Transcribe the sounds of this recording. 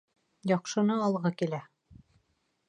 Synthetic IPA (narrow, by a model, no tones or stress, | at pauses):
jɑqʃɤ̆nɤɑlˠʁɤkilæ